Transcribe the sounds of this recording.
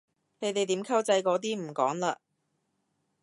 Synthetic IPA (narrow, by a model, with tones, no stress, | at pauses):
ne˨˧jt̪e˨˩jt̪iː˨˥mkʰɐ˥wt͡sɐ˧jkɔː˨˥t̪iː˥m̩˨˩kɔ̰ː˨˥ŋlaː˧